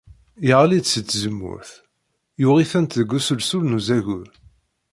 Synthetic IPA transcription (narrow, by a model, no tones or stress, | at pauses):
jəʁlid̪sət͡s̪ːzəmːʊ̰ɾθ | jʊʁiθænt̪əɡusəlsulnuzæʝuɾ